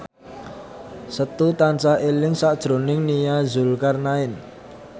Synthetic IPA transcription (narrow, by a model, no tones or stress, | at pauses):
sət̪ut̪ant͡ʃahelɪŋsaʔd̥ʒ̥ɾo̤nɪŋnijazʊlkarnaɪn